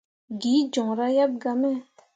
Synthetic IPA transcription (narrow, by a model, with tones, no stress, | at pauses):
ɡiː˩˨d͡ʑɔ˩˨ŋɾa˨ja˥˨p̚ɡa˩˨me˥˨